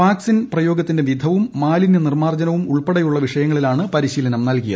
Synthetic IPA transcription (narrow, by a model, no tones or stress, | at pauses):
ʋaːksinprɐjo̞ːɡɐt̪ːinde̞ʋid̪ʱɐʋumːaːlinɐnirmaːrd͡ʑɐnɐʋumuɭpeɽɐjuɭːɐʋiʂɐjɐŋːɐɭilaːɳɨpɐɾiɕiːlɐnɐmnɐlkijɐð